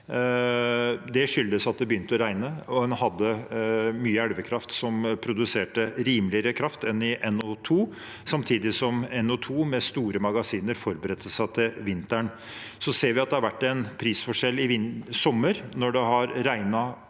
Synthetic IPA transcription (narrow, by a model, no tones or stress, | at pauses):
d̪ɛʂʏld̪əsɑt̪̚d̪ɛbəjʏnt̪əɔɾæɪnəɔdɛnhɑd̪ːəmyːəæɽʋəkʰɾɑft̪sɔmpʰɾʊd̪ʉseːʈəɾiːmlɪəɾəkʰɾɑft̪ɛnːɪʔɛnːɔt̪ʰuː | sɑmt̪ʰiːd̪ɪsɔmɛnɔt̪ʰuːmɛst̪uːɾəmɑɡɑsiːnəɾfɔɾbəɾɛt̪ʰːəsæt̪ʰɪlʋɪnt̪æɳ | sɔseːɾʋɪɑt̪d̪ɛhɑɾʋæʈːɛnpʰɾiːsfɔʂɛlːɪʋɪsɔmːəɾnɔɖɛɦɑɾɾæɪnɑ